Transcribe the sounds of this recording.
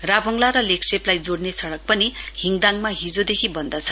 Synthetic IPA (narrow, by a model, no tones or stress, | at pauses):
rabʱʌŋlaɾʌlekseplajd͡zoɽnesʌɽʌk̚pʌnihiŋɡd̪aŋmaɦid͡zod̪ekʰibʌnd̪ʌt͡sʰʌ̥